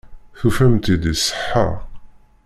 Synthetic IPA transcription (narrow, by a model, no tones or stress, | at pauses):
θufæmt̪id̪isːə̥ħːa̰ʁ